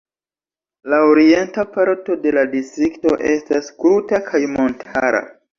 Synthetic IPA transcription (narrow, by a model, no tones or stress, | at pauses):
laoɾie̞ntapaɾto̞de̞ladistɾikto̞ʔe̞staskutakʰajmo̞ntʰaɾa̰